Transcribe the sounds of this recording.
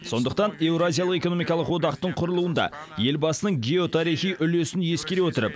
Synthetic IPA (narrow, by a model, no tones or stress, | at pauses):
so̞nd̪əq̚t̪ɑne̞wɾoazʲijɑlˠəqe̞koo̞mijkɑlˠəqwo̞d̪ɑqt̪əɴqʰʊɾəlˠuənd̪ɑ̰ | je̞lbɑsənəɴɡʲe̞o̞t̪ʰɑɾiχijʔʏle̞sɪnje̞skʲe̞ɾewot̪əɾəp